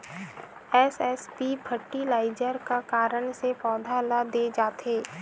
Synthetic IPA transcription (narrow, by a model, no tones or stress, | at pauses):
ɛːsɛspipʰəʈːilaːɪd͡ʒəɾkakaːɾəɳ̃sepɔːd̪ʱalad̪ed͡ʒaːt̪eː